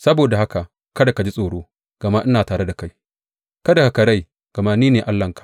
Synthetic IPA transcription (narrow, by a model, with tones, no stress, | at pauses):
sɐ˦boː˨da˨ha˦ka˨ʔ | kɐ˦da˨ka˨d͡ʒi˦sʼoː˨ɽoː˦ | ɡ̥ɐ˨ma˦ʔɪ˦naː˨taː˨ɽe˦da˨ka˦j | kɐ˦da˨ka˨ka˨ɾa˦j | ɡ̥ɐ˨ma˦niː˦neː˨ʔa˦lːɐ˨ŋkḁ˨ʔ